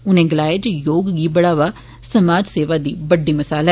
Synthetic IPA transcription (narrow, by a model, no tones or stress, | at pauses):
ʊnẽːɡɪlaːed͡ʒjoːɡɡiːbəɽaːʋaː | səmaːd͡ʒseːʋaːd̪iːbəɖiːməsaːla